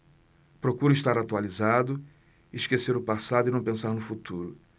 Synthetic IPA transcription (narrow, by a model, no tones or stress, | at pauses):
pɾokuɾʊiʃt̪aɾat̪ualizad̪ʊ | iʃkeseɾʊpasad̪ʊɪnɐ̃w̃pẽsaɾnʊfut̪uɾʊ